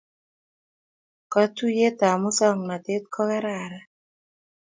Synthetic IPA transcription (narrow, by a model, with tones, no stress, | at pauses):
ka˦tu˦je˦t̪a˨mʊ˦sɔ˦ŋna˨t̪e˦t̪̚kʰɔ˦kɛ˦ɾa˨ɾa˦